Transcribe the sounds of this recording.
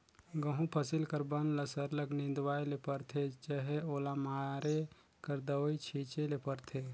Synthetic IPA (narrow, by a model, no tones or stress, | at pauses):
ɡəɦũpʰəsilkəɾbənləsəɾləknĩnd̪waːjlepəɾt̪ʰet͡ʃəɦeoːlamaɾe | kəɾd̪əwit͡ʃʰit͡ʃelepəɾt̪ʰe